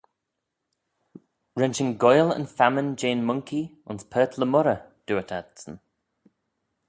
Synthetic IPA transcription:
ɹɛnt͡ʃənɡɔjlə̰nfamənd͡ʒeːnmʊŋkiʊnspʰɜːtʰləmʊɾə | d̥uətʰadsən

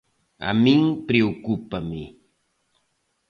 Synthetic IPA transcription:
a̰mɪŋpɾiukʊpamɪ

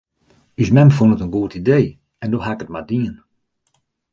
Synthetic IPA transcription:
ysmɛmfunətənɡuətideː | ɛndoɦakət̚madiːən

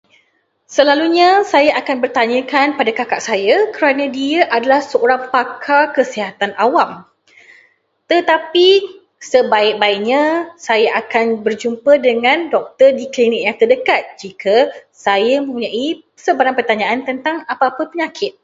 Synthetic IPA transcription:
səlaluɲãsajaʔakanbərt̪aɲəkanpadakakaʔsajakəɾanə̃diaʔadalahsəoɾapakʰakəsiɦat̪anʔawam | t̪ət̪api | səbaɪk̚baɪʔɲãsajaʔakanbərd͡ʒumpədəŋãndɔk̚t̪ərdiklinɪk̚jaŋt̪ərdəkat̪̚d͡ʒikʰa | sajamə̃mpuɲãʔi | səbaɾaŋpərt̪aɲãʔant̪ənt̪aŋapaapəpəɲãkʰɪt̪̚

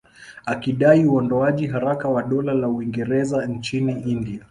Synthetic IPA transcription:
akiɗaiuɔndɔaʄiɦaɾakawaɗɔlalauwiŋɡɛɾɛzant͡ʃiniindia

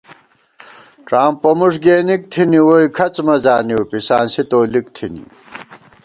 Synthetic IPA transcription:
ʈ͡ʂaːmpːomuʂɡeːnik̚t̪ʰiniwoikʰɐt͡smɐzaːniwpisaːnsit̪oːlikt̪ʰinḭ

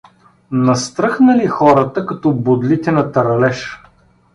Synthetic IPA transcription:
nɐst̪ɾɤxnəlixɔɾət̪əkɐt̪ɔbod̪lit̪ɛnɐt̪ɐɾɐlɛʃ

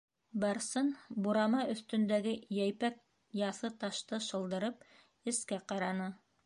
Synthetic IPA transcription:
bɑɾsɤnbuɾɑmɑʔɵ̆θt̪ɵ̆nd̪æɡɘjæjpæk̚ | jɑθɤt̪ɑʃt̪ɤʃɤ̆lˠd̪ɤ̆ɾɤp̚ | ɘ̆skæqɑɾɑnɤ

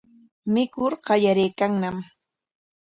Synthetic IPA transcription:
mɪkʊɾɢɑʎaɾejkaŋnam

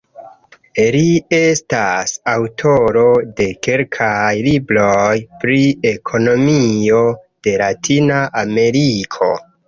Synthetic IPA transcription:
lie̞stasawtʰo̞ɾo̞de̞ke̞lkʰajlibɾo̞jpɾie̞kʰo̞no̞mio̞d̥e̞latʰinaʔame̞ɾikʰo̞̰

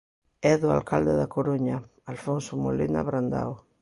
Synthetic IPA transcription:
ɛðʊa̰lkald̪ɪðakoɾoɲa | alfonsomolina̰βɾand̪a̰w

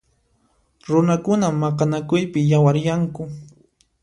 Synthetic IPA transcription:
ɾʊnakʊnamːɑqɑnakʊjpɪjawaɾjaŋkʊ

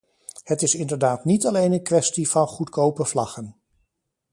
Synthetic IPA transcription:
hətɪsɪndəɹdaːtnitɑlejnənkʋɛstiv̥ɑnχutkowpəv̥lɑχən

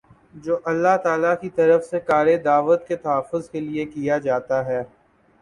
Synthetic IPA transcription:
d͡ʒoːʔɐlːaɦt̪aːlakit̪ɐɾəfsekaːɾed̪aːʋət̪ket̪ɐɦaːfʊzkeliekijad͡ʒaːt̪aɦɛː

